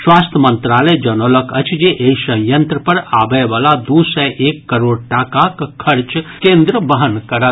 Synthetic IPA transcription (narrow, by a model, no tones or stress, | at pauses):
swast̪ʰəmənt̪ɾaləjd͡ʒənoləkəɪt͡ʃʰd͡ʒeʔeisə̃jjənt̪ɾəpəɾabɛbalad̪usɛʔekːəɾoɽʈakakkʰəɾt͡ʃkẽnd̪ɾəbəɦənkəɾə